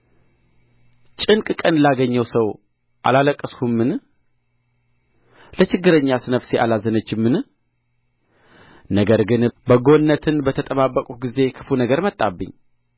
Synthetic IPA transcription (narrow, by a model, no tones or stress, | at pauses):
t͡ʃʼɨŋkʼkʼənlaɡəɲːəwsəw | ʔa̰laləkʼːəskʰumːɨn | lət͡ʃɪɡːɨɾəɲːasɨnəfseʔalazənət͡ʃːɪmːɨn | nəɡəɾɡɨnbəɡo̞nːət̪ʰɨnbət̪ʰət̪ʼəβabːəkʼuɡize̞kʰɨ̥funəɡəɾmət̪ʼːabːɨ̰ɲː